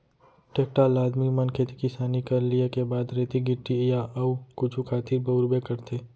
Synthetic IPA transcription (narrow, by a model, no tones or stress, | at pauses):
ʈeːk̚ʈalaːd̪mimɐnkʰet̪i̥kɪsaːnikɐɾliekebaːd̪ɾeːt̪iɡɪʈːijaʔɐukʊt͡ʃʰukʰaːt̪iɾbɐʊɾbekɐɾt̪ʰeː